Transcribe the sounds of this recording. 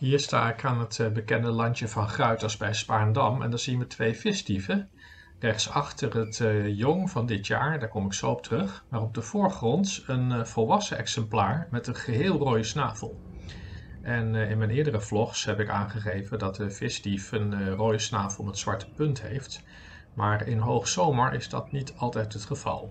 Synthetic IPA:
ɦiːɹsta̰ːɪkaːnətbəkɛndəlɑntəvɑnχrœɥtɑsbɛjspaːndɑmɛ̰ndɑnz̥inʋətʋejfɪstifə | rɛχtsɑχtərətjɔŋvɑndɪtjaːɹdaːɹkɔmɪksoɔp̚tərɵχmaːrɔb̚dəv̥ʊːɹχrɔntənv̥ɔlˠʋɑsənɛ̰ksɛmplaːɹmɛtənχəɦɪːlˠroːjəsnaːvəlˠ | ʔɛnɪnmɛjnɪːɹdərəv̥lɔχsɦɛpɪka̰ːnχəχejvədɑtəfɪstifənrojəsnaːvəlˠmətsʋɑ̰ɹtə̥pɵntɦḛjft | maːɹɪnɦowχsowməɹʔɪ̰zdɑ̰tnitɑlˠtɛjtɦətχəv̥ɑ̰lˠ

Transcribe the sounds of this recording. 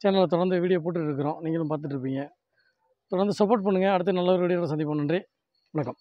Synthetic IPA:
t͡ʃɛːnɐlɐt̪ɔɽɐɾnd̪ɐʋiːɽɪjɐpoːʈ̬ːɯɪɾɯkːɯɾõːniːŋɡɐlɯmpaːɾt̪̬ɯʈːɾɯp̬ːiːŋɡɐ | t̪ɔɽɐnd̪ɯsɐpːoːʈ̚pɐɳːɯŋɡɐːɽɯt̪̬ːɐnɐlːɐʋɐɾʋiːɽɪjɾɐs̬ɐnd̪ɪpːɐːɳːɐndri | ʋʊnɐkːɐm

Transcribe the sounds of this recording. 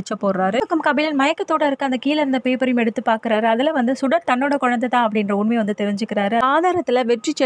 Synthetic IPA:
ɪt͡ʃːɐpːoːɾaːɾɯkːɐmkɐbɪlɪnmɐjɐkːɐt̪ːoːɽɐɪɾɯkːɯɐnd̪ɐkiːlɪɾɯnd̪ɐpeːpɐɾɐjʊmɛɽɯt̪ːɯpːaːɾkɪɾaːɾɯɐðɪlɐʋɐnd̪ɯsʊɽɐt̪ɐnːoːɽɐkɔɻɐnd̪ɐt̪ãːɐpːɐɽɪndrɐʊnmeːʋɐnd̪ɯt̪ɛɾɪɲd͡ʒɯkːɪɾaːɾɯɐaːðaːɾɐt̪ːɪlɐʋɛʈrit͡ʃː

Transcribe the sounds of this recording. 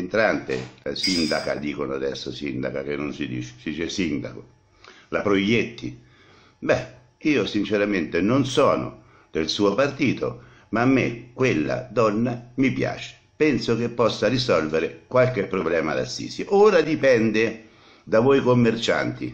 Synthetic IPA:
ent̪ɾant̪ɪ̰lasind̪aka̰d̪iːkonoad̪ɛ̰sːosind̪a̰kak̟enːonsid̪ḭːt͡ʃe̥sd̪iːt͡ʃesind̪a̰ko | lapɾojːet̪ːi | bɛ | iːosint͡ʃeɾament̪ɪnonsɔːnʊ̰ | d̪elsuːopart̪iːt̪o̰ | maːmːḛkwelːa̰d̪ɔnːamipja̰ːt͡ʃe̥ | pɛnsok̟epːɔsːarisɔlveɾɪkwalkepːɾoblɛːma̰d̪a̰sːḭːsjoʔoːɾad̪ipɛnd̪e | d̪avɔjkomːert͡ʃa̰nt̪ḭ

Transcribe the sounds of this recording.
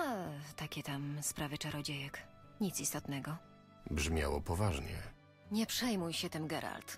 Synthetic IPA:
at̪akʲɛt̪amspɾavɘt͡ʂaɾɔd͡ʑejɛk | ɲit̪sist̪ɔt̪nɛɡɔ | bʐmʲja̰wɔ̰pɔvaʐɲɛ̰ | ɲɛpʂɛjmujɕɛt̪ɛmɡɛɾa̰lt̪

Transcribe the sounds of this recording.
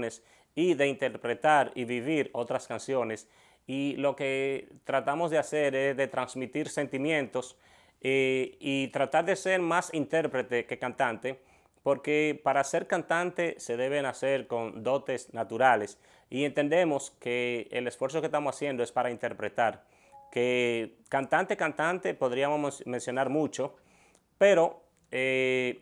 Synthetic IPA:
nes | iðeint̪eɾpɾet̪aɾiβiβiɾot̪ɾaskansjo̞nes | ilo̞ket̪ɾat̪amo̞zðeaseɾesðet̪ɾansmit̪iɾse̞nt̪imjẽ̞nt̪o̞s | eit̪ɾat̪aɾðeseɾmasint̪eɾpɾet̪eke̞kant̪ant̪e | poɾkepaɾase̞ɾkant̪ant̪ese̞ðeβenaseɾko̞nd̪o̞t̪e̞snat̪uɾales | ie̞nt̪e̞nd̪e̞mo̞skeːlesfwe̞ɾs̬okest̪amosasje̞nd̪oespaɾaint̪e̞ɾpɾet̪aɾ | ke | kant̪ant̪ekant̪ant̪epo̞ðɾiamosmensjo̞naɾmut͡ʃo̞ | peɾo̞ | e

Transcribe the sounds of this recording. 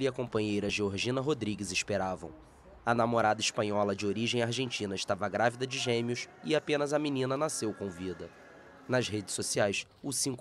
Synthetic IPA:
liɐkõpɐ̃ɲejɾɐʒeoɾʒĩnɐɦod̪ɾiɡɪzɪʃpeɾavɐ̰̃w̃ | ɐnamoɾad̪ɐɪʃpɐ̃ɲɔlɐd͡ʒɪoɾiʒẽj̃aɾʒẽnt͡ʃĩnɐɪʃt̪avɐɡɾavid̪ɐd͡ʒɪʒẽmiʊsɪapẽnɐzɐminĩnɐnasewkõvid̪ɐ | nɐzɦed͡ʒɪsosiajs | ʊsĩŋk

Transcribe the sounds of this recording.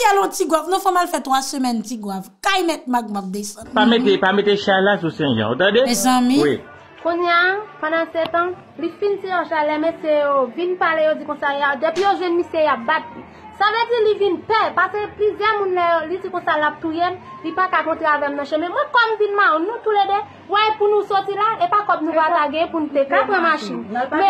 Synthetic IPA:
ɛlɔ̃tiɡwavnũfɔ̃malfɛt̪wasømɛntiɡwavkajmɛt̪̚maɡ̚mak̚d̪esɑ̃dpametepamet̪eʃalas̬usɛ̃ʒã̰ot̪ãdemɛzãmĩwi | kũɲapãd̪ãsɛt̪ã | lifinsiãʃalɛmesejovinpalejod͡zikɔ̃sajad̪epijoʒwɛnmisjejap̚bat̪li | saved͡zilivinpɛpaseplizjɛmũnlɛjolid͡zikɔ̃salap̚t̪ujem | lipakakɔ̃t̪ɣeavɛmnɐ̃ʃɛ̃mɛ̃mwɛ̃kɔmvinmaɔ̃nũt̪uledɛ | wɛpunũsɔtilaepakɔpnũvataɡẽpunũt̪ekãpɛ̃maʃinmɛ̃

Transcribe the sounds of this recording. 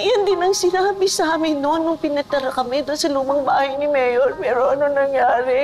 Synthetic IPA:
jɐnd̪ɪnɐŋsɪnaːbɪsaːmɪnonːʊŋpɪnɐt̪ɐɾɐkɐmɛd̪ʊnsɐluːmɐŋbaːhɐjnɪmɛjolpɛːɾoʔɐnoŋnɐŋjaːɾɛ

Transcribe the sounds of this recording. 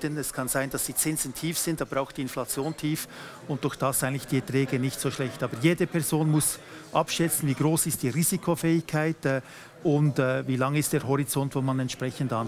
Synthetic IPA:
dənɛskʰɑnzaɪndɑsd̥iːt͡sɪnz̥n̩tʰiːfsɪndtaːbəɾaʊxd̥iːɪnflɑt͡sjoːntʰiːf | ʊnt̚d̥ʊɾxd̥asaɪŋntlɪçd̥iːɛtʁɛːɡənɪçtsoːʃlɛçtɑːbəɾjeːdəpʰɛɐzoːnmʊs | ʔɑ̰pʃɛt͡sn̩viːɡʁoːsɪst̚d̥iːʁiːz̥ikʰofɛːɪçkʰaɪtɛ | ʊndɛviːlɑŋəɪstd̥eːɾɦɔɾit͡sɔntvoːmanɛntʃpʁɛçəndan

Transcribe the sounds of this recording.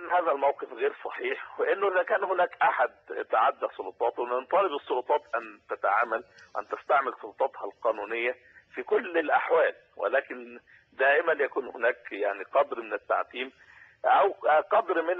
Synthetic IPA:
nːhæːðælmawqefɣeːɾsˤɑħiːħweʔɪnːʊʔɪðækæːnhʊnæːkʔaħad̪̚t̪aʕad̪ːæsˤolot̪ˤɑːt̪wnɪnt̪ˤɑːlɪbɨsˤːolʊt̪ˤɑːt̪ʔænt̪æt̪aʕaːmæl | wʔæ̰nt̪ɪst̪aʕmɪlsˤolt̪ˤɑt̪hɑlqɑːnuːnɪjːæ | fiːkʊlːɪlʔaħwæːl | wḛlæːkɪn | d̪æːʔɪmænjækuːnhʊnæːkjaʕniqɑd̪ɾmɪnɪt̪ːa̰ʕt̪iːm | ʔæwqɑd̪ɾmɪn

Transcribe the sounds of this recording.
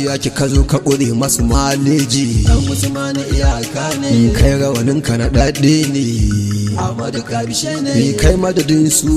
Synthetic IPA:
jaːkʲekɐzoːkɐɓʊɽeːmɐsumaːleːd͡ʒijɐʊsʊmaniʔɪjakakʰajɽɐwɐnɪŋkɐnaɗɐɗeːneː | kːimeːkajmɐdɐdɪnsu

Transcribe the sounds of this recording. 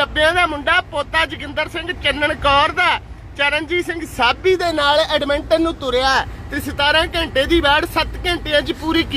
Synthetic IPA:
əbejãːd̪aːmʊɳɖaːpoːt̪aːd͡ʒɪkɪ̃nd̪əɾsɪ̃ŋɡt͡ʃənːəɳkɔːɾd̪aː | t͡ʃəɾənd͡ʒiːsɪ̃ŋɡsaːbiːd̪eːnaːlɛːɖmɛ̃ɳʈə̃ːnũːt̪ʊɾeːaːt̪eːsɪt̪aːɾãːkɛ̃ːɳʈeːd̪iːbɛːɽsət̪kɛ̃ːɳʈeãːt͡ʃpuːɾiːki

